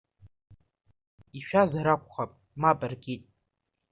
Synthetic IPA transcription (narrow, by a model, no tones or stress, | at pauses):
iʃᶣazaɾakʷʰʼχapʼ | mapʼarɡʲitʼ